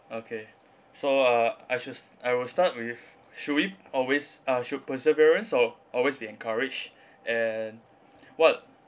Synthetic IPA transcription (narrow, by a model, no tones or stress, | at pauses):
okʰe | soʌajʃudaɪwɪlstat̚wɪf | ʃuwiɔlwesʌʃud̚pəsəviɹə̃nsɔʔɔlwesbiɛ̃nkʰaɹɪd͡ʒ | ɛn | wɔt